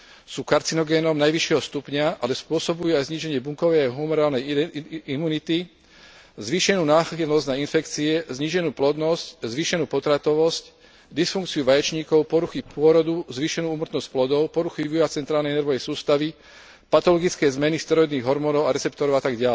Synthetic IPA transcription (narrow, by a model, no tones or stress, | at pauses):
suːkaɾt͡sinɔɡɛːnɔmnajʋiʃɪɛɦɔst̪upɲaalɛspʊɔsɔbujuajzɲiːʒɛɲɪɛbuŋkɔʋɛjaɦumɔɾaːlnɛimuːnit̪i | zʋiːʃɛnuːnaːxilnɔzɟnainfɛkt͡siɛzɲiːʒɛnuːplɔd̪nɔsczʋiːʃɛnuːpɔt̪ɾat̪ɔʋɔsc | d̪isfuŋkt͡siuʋajɛt͡ʃɲiːkɔʊpɔɾuxipʊɔɾɔd̪uzʋiːʃɛnuːuːmr̩t̪nɔsc̚plɔd̪ɔʊpɔɾuxiʋiat͡sɛnt̪ɾaːlnɛjɛnɛɾʋɔʋɛjsuːst̪aʋi | pat̪ɔlɔɡit͡skɛːzmɛnist̪ɾɔɔd̪niːɣɦɔɾmɔnɔʊaɾɛt͡sɛpt̪ɔɾɔʊat̪aɡɟɪalɛ